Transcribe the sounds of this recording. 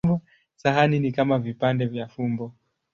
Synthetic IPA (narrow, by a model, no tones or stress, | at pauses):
bɔ | saɦaninikamavipandɛvjafumbɔ